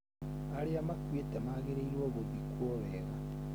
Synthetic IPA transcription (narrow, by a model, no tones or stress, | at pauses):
aɾeamakwetɛmaɣeɾeiɾwoːɣoðikwoβɛɣa